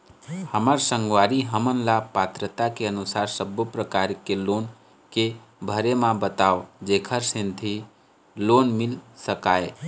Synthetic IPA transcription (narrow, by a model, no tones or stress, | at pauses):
həməɾsə̃ŋɡwaːɾiɦəmənlapat̪ɾət̪akeənʊsaːɾsəbopɾəkaːɾkeloːn | ke | bʱəɾemãbət̪aːod͡ʒeːkʰəɾsẽnt̪ʰi | loːnmɪlsəkaːe